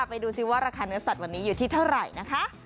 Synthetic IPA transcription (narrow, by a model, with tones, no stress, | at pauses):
a˥˩pa˧jduː˧si˦˥˩waː˥˩ɾaː˧kʰaː˧nɯ˦˥ɐsa˨˩t̪̚wa˧nːiː˦˥juː˨˩t̪ʰiː˥˩t̪ʰa˥˩wɾa˨˩jna˦˥kʰa˦˥ʔ